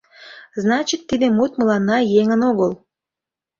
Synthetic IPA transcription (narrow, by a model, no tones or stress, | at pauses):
znɑt͡ɕit̪ːid̪emut̪məlɑnːɑjeŋənoɣəl